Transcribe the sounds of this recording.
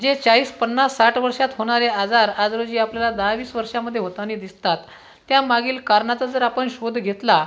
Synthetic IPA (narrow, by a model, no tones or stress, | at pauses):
d͡ʑet͡saiːspənːasːaʈʰʋəɾʂat̪ɦoɽ̃aɾead͡zaɾad͡zɾod͡ʑiːapljalad̪aʋiːsʋəɾʂaməd̪ʱjeɦot̪anid̪ist̪at̪ː | jamaɡiːlkaɾɳat͡sad͡zəɾapəɳɕod̪ʱɡʱet̪la